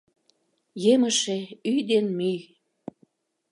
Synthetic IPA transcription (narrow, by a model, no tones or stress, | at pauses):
jeməʃeyjd̪enmyj